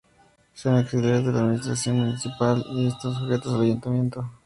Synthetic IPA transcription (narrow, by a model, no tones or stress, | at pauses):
sonŋaksileɾezðe̞laːd̪minist̪ɾasjo̞nmunisipaliest̪os̬oxet̪osalaʝunt̪amje̞nt̪o